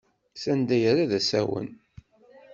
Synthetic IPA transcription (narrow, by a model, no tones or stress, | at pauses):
sænd̪æjəɾaðæsæwə̰n